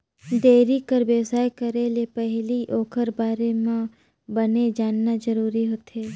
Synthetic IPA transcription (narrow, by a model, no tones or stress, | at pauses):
d̪eːɾikəɾbjəwsaːjkɐɾelepɛɦliʔoːkʰəɾbaːɾemã | bɐned͡ʒaːnːad͡ʒəɾuːɾiɦoːt̪ʰeː